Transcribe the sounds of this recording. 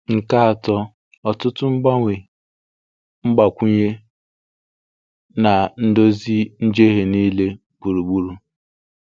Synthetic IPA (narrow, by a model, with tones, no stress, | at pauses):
ŋ̩˨ka˦a˨tɔ˦ | ɔ˨tʊ˦tʊ˦ŋ͡m̩˦ɡ͡ba˦ŋʷe˨ | ŋ͡m̩˦ɡ͡ba˨kʷu˦ɲe˦ | na˨n̩˦do˦zi˦n̩˦d͡ʒe˦ɦe˨niː˦le˦ | bu˨ɾu˨ɡ͡bu˦ɾu˨